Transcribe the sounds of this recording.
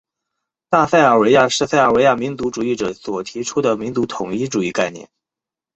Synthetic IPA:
t̪a˥˧sa˥˩ɪə˞˨˩we˧˥ɪja˥˧ʂɻ̩˥˧sa˥˩ɪə˞˨˩we˧˥ɪja˥˩mi˧˥nt͡su˧˥ʈ͡ʂu˨˩i˥˩ʈ͡ʂɤ˨˩swɔ˨˩t̪ʰi˧˥ʈ͡ʂʰu˥d̪ə˨mi˧˥nt͡su˧˥t̪ʰʊ˨˩ŋi˥ʈ͡ʂu˨˩i˥˧ka˥˧ɪnjɛ̰˥˩n

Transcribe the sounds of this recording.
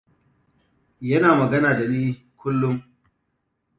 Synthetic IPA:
jɐ˦naː˨mɐ˨ɡɐ˦naː˨da˨niː˦ | kʷʊ˦lːʊ˦ŋ

